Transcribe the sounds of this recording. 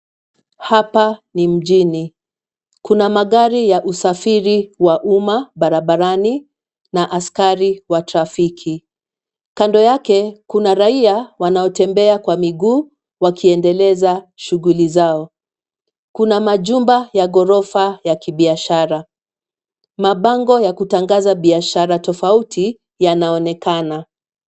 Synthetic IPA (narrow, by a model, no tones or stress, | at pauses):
hapanim̩ʄini | kunamaɠaɾijaʔusafiɾiwaʔumaɓaɾaɓaɾani | naʔaskaɾiwatɾafikʰi | kandɔjakɛkunaɾaiawanaɔtɛmbɛakwamiɡuː | wakʰiɛndɛlɛzaʃuɣulizaɔ | kunamaʄumbajaɠɔɾɔfajakiɓiaʃaɾa | maɓaŋɡɔjakutaŋɡazaɓiaʃaɾatɔfautʰi | janaɔnɛkana